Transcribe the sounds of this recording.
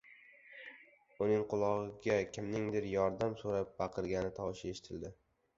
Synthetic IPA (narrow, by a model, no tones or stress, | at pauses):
ʊnɪŋqʰʊlˠɒʁɨɡʲakʲʰɪmnɪŋd̪ɪɾjɒɾd̪amsoɾap̚bɑqʰɨɾɡʲanɪt̪ʰɒwʃɪeʃɪ̥t̪ʰɪld̪ɪ